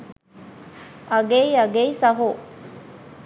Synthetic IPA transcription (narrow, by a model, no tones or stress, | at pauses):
ɐɡeiɐɡeisɐɦu